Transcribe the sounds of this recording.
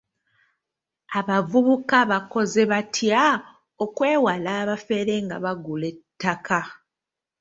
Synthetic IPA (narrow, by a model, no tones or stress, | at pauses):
aβavuβukaβako̞ze̞βatʰja | okwe̞ːwalaːβafe̞ɾe̞ŋɡa̰βaɡule̞tːakʰa